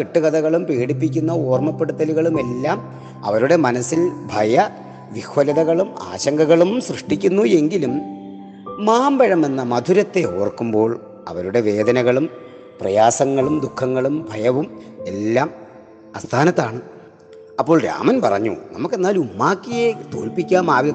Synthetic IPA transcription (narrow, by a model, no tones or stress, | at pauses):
keʈːɨɣɐd̪ɐɣɐɭumpeːɽipːikʲːunːɐoːrmɐpːe̞ɽut̪ːɐluɣɐɭume̞lːaːm | ɐ̰ʋɐɾuɽe̞mɐnɐsːilbʱɐjɐ | ʋihwɐlɐðɐɣɐɭuma̰ːɕɐŋɡɐɣɐɭumsrɨʂʈikʲːunːue̞ŋɡilumː | aːmbɐɻɐmenːɐmɐd̪ʱuɾɐt̪ːe̞oːrkːumbo̞ːɭ | ɐ̰ʋɐɾuɽe̞ʋe̞ːd̪ʱɐnɐɣɐɭum | prɐ̰jaːsɐŋːɐɭumd̪ukʰːɐŋːɐɭumbʱɐjɐʋume̞lːaːm | ɐst̪ʰaːnɐt̪ːaːɳɨ | ɐpːo̞ːɭɾa̰ːmɐnpɐrɐ̰ɲːṵnɐ̰mukːe̞nːaːlumːaːkːijet̪o̞̰ːlpikʲːaːmaːʋjɐ